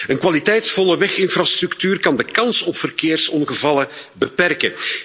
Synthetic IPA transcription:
ənkwalitɛjtsfɔləʋɛxɪnfrast̪ɾɵktyːrkɑndəkɑnsɔpfərkeːrsɔnɣəvɑləbəpɛrkə

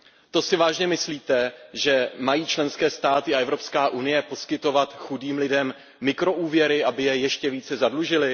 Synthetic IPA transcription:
t̪o̞sɪvaːʒɲɛmɪsliːt̪ɛʒɛmajiːt͡ʃlɛnskɛːst̪aːt̪ɪaʔɛvɾo̞pskaːʔunɪjɛpo̞skɪt̪o̞vat̪xudiːmlɪdɛmː | ɪkɾo̞ʔuːvjɛɾɪʔabɪjɛjɛʃcɛviːt͡sɛzadluʒɪlɪ

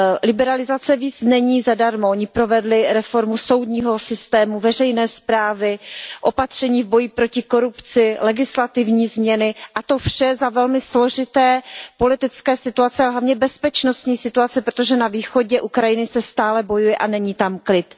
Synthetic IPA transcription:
lɪbɛɾalɪzat͡sɛviːt͡snɛɲiːzadaɾmooɲɪpɾo̞vɛdlɪɾɛfo̞ɾmuso̞wdɲiːɦo̞sɪst̪ɛːmuvɛr̝ɛjnɛːspɾaːvɪʔo̞pat̪r̝̥ɛɲiːvbo̞jipɾo̞cɪko̞ɾupt͡sɪlɛɡɪslat̪ɪvɲiːzmɲɛnɪʔat̪o̞fʃɛzavɛlmɪslo̞ʒɪt̪ɛːpo̞lɪt̪ɪt͡skɛːsɪt̪uat͡sɛaɦlavɲɛbɛspɛt͡ʃno̞st̪ɲiːsɪt̪uat͡sɛpɾot̪oʒɛnaviːxo̞ɟɛʔukɾajɪnɪsɛst̪aːlɛbo̞jujɛʔanɛɲiːt̪amklɪt̪

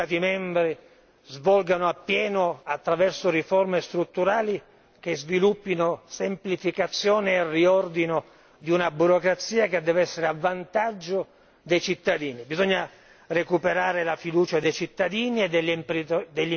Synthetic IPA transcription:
aːt̪imɛmbɾi | zvɔlɡanoapːjɛːnoat̪ːɾavɛrsʊrifɔrmest̪ɾut̪ːuɾaːli | kezvilupːinosemplifikat̪sːjɔːneːrːiɔrd̪ino | d̪iunabuɾokɾat̪sːiːaked̪ːɛːvɛsːeɾeavːant̪ad͡ʒːo | d̪ejt͡ʃit̪ːad̪iːnibizɔɲːa | rekupeɾaːɾelafid̪uːt͡ʃad̪ejt͡ʃit̪ːad̪iːnied̪ːeʎːmpid̪eʎː

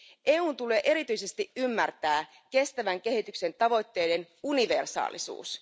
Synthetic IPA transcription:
ʔe̞ːuːnt̪ule̞ːʔe̞ɾit̪yjse̞st̪iʔymːært̪æː | ke̞st̪æʋæŋk̟e̞hit̪ykse̞nt̪ɑʋo̞jt̪ːe̞jden | uniʋe̞rsɑ̰ːlḭsṵːs

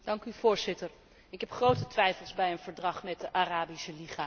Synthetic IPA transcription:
d̥ɑŋkyv̥ʊːɹzɪtəɹ | ɪkɦɛpχrowtətʋɛjfəlˠzbɛjənv̥əɹdrɑχmɛt̚dəʔaraːbisəliχaː

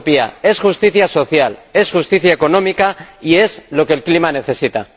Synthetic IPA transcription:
pia̰e̞sxust̪iθjaso̞θjale̞sxust̪iθjaeko̞nõ̞mikaie̞zlo̞ke̞lklimane̞θe̞sit̪a

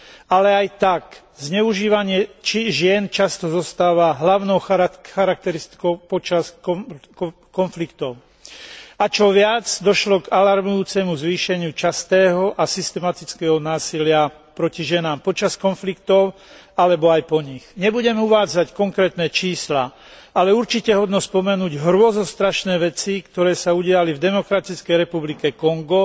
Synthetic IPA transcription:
alɛajt̪ak | zɲɛuʒiːʋaɲɪɛt͡ʃiʒɪɛnt͡ʃast̪ɔzɔst̪aːʋaɦlaʊnɔʊxxaɾak̚t̪ɛɾist̪i̥kɔʊpɔt͡ʃasɔ | kɔnflikt̪ɔʊ | at͡ʃɔʋɪad͡zd̪ɔʃlɔɡalaɾmujuːt͡sɛmuzʋiːʃɛɲɪut͡ʃast̪ɛːɦɔʔasist̪ɛmat̪it͡skɛːɦɔnaːsilɪa | pɾɔciʒɛnaːmpɔt͡ʃaskɔnflikt̪ɔʊ | alɛbɔajpɔɲiɣɲɛbuɟɛmɛuʋaːd͡zackɔŋkɾɛːt̪nɛt͡ʃiːsla | alɛuɾt͡ʃicɛɦɔd̪nɔspɔmɛnuːɟɦɾʊɔzɔst̪ɾaʃnɛːʋɛt͡sikt̪ɔɾɛːsauɟɪalivd̪ɛmɔkɾat̪it͡skɛjɾɛpublikɛkɔŋɡɔ

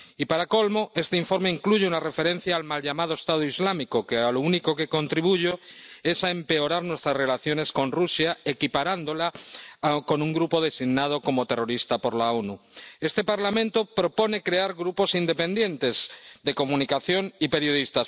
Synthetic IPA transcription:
ipaɾako̞lmo̞e̞st̪eiɱfo̞ɾmeiŋkluʝeunare̞fe̞ɾe̞n̟θjaːlmalʎamað̞oest̪aðoizlamikokealounikoke̞ko̞nt̪ɾiβuʝoe̞saempe̞oɾaɾnwest̪ɾazre̞laθjo̞ne̞sko̞nrusjaekipaɾand̪o̞la | ko̞nuŋɡɾupo̞ðe̞siɣnað̞oko̞mot̪e̞ro̞ɾist̪apo̞ɾlaonue̞st̪e̞paɾlamẽ̞nt̪opɾo̞po̞nekɾeaɾɣɾupo̞sind̪epe̞nd̪je̞nt̪e̞zd̪e̞ko̞mũnikaθjo̞ŋipe̞ɾjo̞ðist̪as

